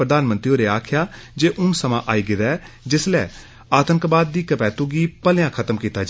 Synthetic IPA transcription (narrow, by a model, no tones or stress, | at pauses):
pɾəd̪aːnmə̃nt̪ɾioːɾeːaːkʰjaːd͡ʒeːʔʊŋsəmã̰ːʔaːiːɡɪd̪ɛː | d͡ʒɪslɛ̰ː | aːt̪əŋkbaːd̪̚ːiːkəpɛːt̪uːɡiːpəljãːkʰət̪əmkiːt̪aːd͡ʒ